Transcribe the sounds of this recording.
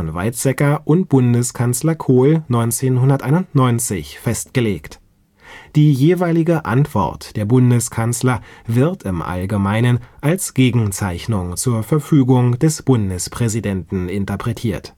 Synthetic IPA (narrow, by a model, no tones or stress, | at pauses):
ɔnva̰ɪsz̥ɛkɐʔʊnt̚b̥ʊndəskʰanslɐkʰoːlnɔʏnt͡seːnhʊndɐtʔaɪnʊntnɔʏnt͡sɪçfɛstɡ̥əleːkt | d̥iːjeːvaɪlɪɡəʔa̰ntv̥ɔ̰ɐtd̥eːɐbʊndəskʰanslɐvɪɐtɪmʔa̰lɡəmaɪnənʔalsɡ̥eːɡŋ̩t͡saɪçnʊŋt͡suːɐfɛɐfyːɡʊŋdɛsb̥ʊndəspʁ̥ɛzidɛntn̩ɪntɐpʁ̥ɛtʰiːɐt